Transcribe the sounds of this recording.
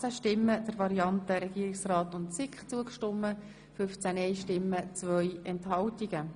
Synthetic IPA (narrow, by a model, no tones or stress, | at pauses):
t͡səʃtɪmːəd̥əɾʋɑɾiɑntəɾɛɡ̥iːɾiksrɑːtʊntsɪkχt͡suəkʃtʊmːə | fʏft͡sænɛjʃtɪmːət͡svœjɛnthɑltiɡ̥ə